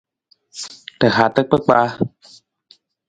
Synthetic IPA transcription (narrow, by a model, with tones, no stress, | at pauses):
t̪ə˨haː˨t̪ə˦k̚k͡pə˦k͡paː˧